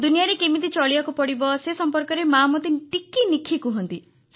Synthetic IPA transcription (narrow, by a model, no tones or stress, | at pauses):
d̪unijaɾekimit̪it͡ʃɔɭiakupɔɽibɔsesɔmpɔɾkɔɾemaːmɔt̪iʈikinikʰikuɦɔnt̪i | s